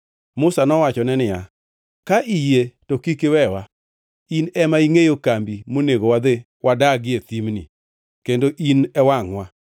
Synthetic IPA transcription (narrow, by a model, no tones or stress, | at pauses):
mʊsanɔwat͡ʃɔnɛnɪja | kaʔijetɔkikɪwɛwa | inɛmaiŋejokambimoneɡowad̪e | wʔadaɡɪet̪imnḭ | kendoʔinɛwaŋwa